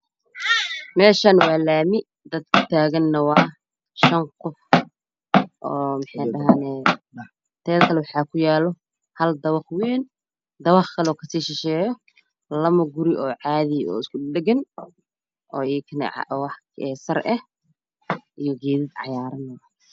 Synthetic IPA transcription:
mɛːʃanwɑːlaːmɪ | d̪ɐd̪̚kʰʊ̥t̪ʰaːɣɐnːɐwɑː | ʃɐŋkʰʊf | ʔɔːmɪħɑjɖɐɦaːnɛː | t̪ʰɛːðkʰɐlɛwɑħɑːkʰʊjaːlɔ | hɐld̪ɐwɑχwɛːn | d̪ɐwɑχkʰɐlɔːkʰɐsiːʃɪʃɛːjɔ | lɐmɐɡʊɾɪʔɔːʕɑːðɪɔ̰ːɪskʰʊɗɛɡɐn | ʔɔːiːkʰɐnɛ̰ʕ̰wɑħ | ɛsɐrʔɛh | ʔijɔɡɛːðɪd̪ʕɑ̰jaːɾɐnːɐwɑː

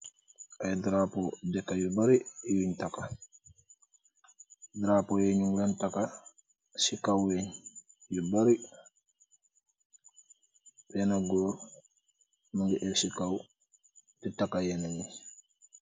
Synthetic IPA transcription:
ʔajdɾapɔdɛkːajubaɾiɛwiɲtaka | dɾapɔjeɲuŋlantaka | sikawjɛɲ | jubaɾi | bɛnaɡɔːɾ | nuŋɡɛʔɛsikaw | titakajɛnaɲi

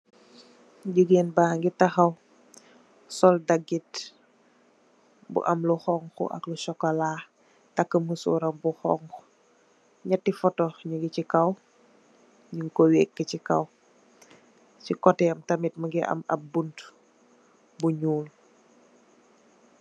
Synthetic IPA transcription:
ɟuɡenbaŋɡitɐxɐw | sɔldɐɡːit | bṵʔɐmluxɔŋxṵʔɐ̰kluʃɔkːɐlaː | tɐkːəməsṵːɾɐmbuxɔ̰ŋku | ɲɐtːifɔtɔɲuɡicikɐw | ɲiŋkowɛːkːəcikɐw | cikɔtɛɐmtɐmit̚məɡiʔɐ̰mɐ̰p̚bunt | buɲuːl

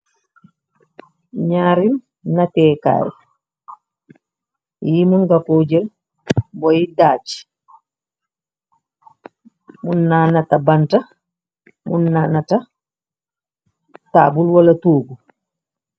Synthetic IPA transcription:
ɲaːɾim | natɛːka̰ːɾ̰ | jimunɡakoːd͡ʒɛl | bɔjidaːt͡ʃi̥ | munːaːnatabanta | munːanata | ta̰ːbulwalatoːɡu

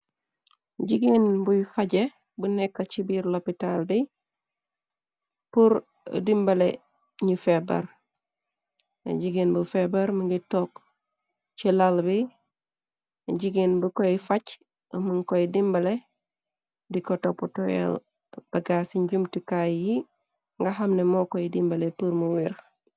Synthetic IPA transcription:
ɟiɡinbujfaɟe | bunɛkːɐt͡ʃibiɾlopitalbi | puɾ̰ | dimbɐle | ɲufebɐ̰ɾ | ɟiɡinbufebɐɾmuŋɡitok | t͡ʃilalbi | ɟiɡinbukojifac | əmuŋkojidimbɐle | dikotoputɔɛ̰l | b̥ɐɡasiɲɟumtikajji | ŋɡaɦamnɛmɔkojidimbɐlepuɾmuwiɾ

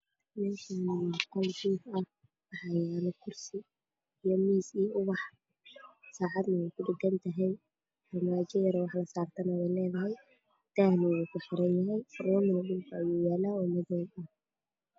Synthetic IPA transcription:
mɛːʃanqɑlɡuːfɐh | ɑħɑjaːnɐkʰʊrsɪː | jɔmiːsiːʊβɑħ | saːʕɑd̪nɐwɛjkʰʊɖɪɡɐnt̪ʰɐɦɛj | ħɐmaːt͡ʃɐjɐɾwɑħlɐsaːrt̪ʰɐnɐwɛjlɛːðɐɦɛj | t̪aːhnɪwukʰʊħɪɾɐnjɐɦɛjrɔːmɪnɐɗʊmkʰɐɐjuːjaːlaːʊmɐðɛɐh

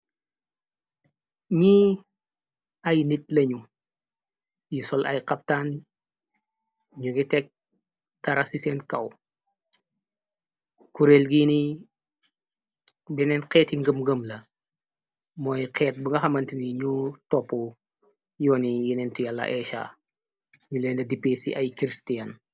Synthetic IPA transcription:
ɲi | ajnitlɐɲu | jisɔla̰jqap̚tan | ɲuɡitɛk̚ | taɾasisenkɐw | kuɾelɡiːni | bɛnɛnqɛːtiŋɡəmɡəmlɐ | mɔjqʰɛːt̚bəŋɡɐxɐmɐntiniɲutɔpːu | jɔːnijinɛntijalːɐ̰ʔɛʃa̰ː | ɲulɛndɐdipesḭʔɐjkɾistiɐn

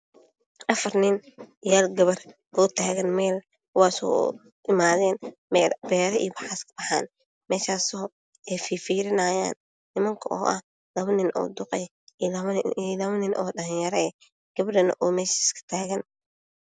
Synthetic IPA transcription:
ʔɐfɐrnɪnjaːlɡɐβɐr | ɔːt̪ʰaːɣɐnmɛːl | kʰʊwaːsɔ̰ː | ʔɪmaːðɛːnbɛːɾɐʔḭɔbɑħaskʰbɐħa̰ːn | mɛːʃaːsɔɦb | ɛfiːfiːɾɪnaːja̰ːnː | ɪmɐŋkʰɐʔɔ̰ːʔɐ̰h | lɐβɐnɪnʔɔ̰ːd̪ʊqɛj | lɐɐlɐβɐnɪnʔɔ̰ːɗɐlɪjɐɾɐ | ɡ̥ɐβɾɐnɐ̰ʔɔːmɛːʃɪskʰɐ̥t̪ʰaːɣɐn

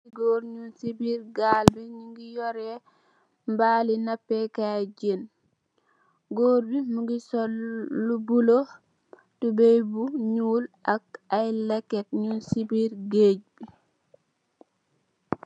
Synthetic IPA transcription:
iɡoːɾɲunsibiːɾɡalbiɲuŋɡijɔɾɛ | mbalinapːɛkad͡ʒen | ɡoːɾbimuŋɡisɔlːubulo | tubejbuɲuːlʔakajlɛkːɛt̚ɲunsibiɾɡeːd͡ʒbi

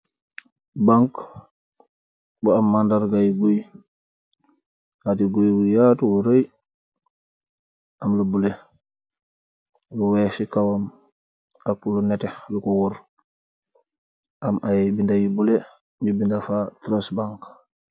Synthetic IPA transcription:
baŋk | buamːandaɾɡajiɡoj | hatiɡojwujatwuɾaj | amlubule | luwɛfikawam | aklunɛtelukuwuɾ | ʔamʔajbindajibule | ɲubindafatɾosbaŋk

